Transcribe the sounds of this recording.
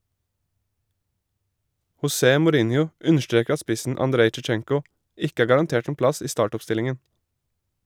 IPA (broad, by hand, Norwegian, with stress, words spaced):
hʊˈseː mʊˈɾɪnjʊ ˈʉnəʃˌtɹeːk ˈɑ ˈspɪsn̩ ɑnˈdɾeɪ t͡ʃɛˈt͡ʃɛŋkʊ ˈɪk ˈæː ɡɑɾɑnˈteːʈ ˈeːn ˈplɑs ˈiː ˈstɑːʈʊpˌstɪlɪŋən